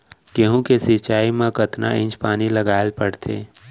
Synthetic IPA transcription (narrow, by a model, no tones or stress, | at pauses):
keɦũkesɪt͡ʃaːimẽkət̪na̰ɪ̃t͡ʃpaːniləɡaːɪlpəɽt̪ʰḛː